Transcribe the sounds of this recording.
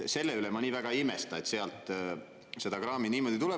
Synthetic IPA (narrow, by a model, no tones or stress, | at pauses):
se̞lːeylemɑniːvæɡ̥ɑimest̪ɑet̪se̞ɑlt̪ˑ | se̞d̪̥ɑkrɑːminiːmo̞d̪̥it̪ulɛ